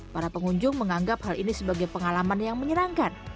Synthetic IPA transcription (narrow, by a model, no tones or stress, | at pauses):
paɾapəŋuɲd͡ʒʊŋməŋaŋɡap̚halinisəbaɡajpəŋalamanjaŋməɲəɾaŋkan